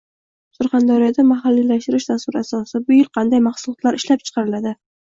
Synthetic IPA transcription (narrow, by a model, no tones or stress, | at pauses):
sʊɾχand̪ɒɾijɒd̪amaɦalːilaʃt̪ɪɾɪʃd̪aswʊɾasɒsɪbʊjɪlˠqʰɑnd̪ajmaχsʊlˠɒt̪laɾɪʃlap̚t͡ʃʰɨ̥qʰɑɾɪlad̪ɪ